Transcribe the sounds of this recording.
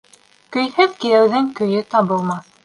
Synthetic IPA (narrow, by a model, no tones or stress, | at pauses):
kɵ̆jhɘðkiɾæwðɘŋkɵ̆jɵt̪ɑβɤ̆lˠmɑθ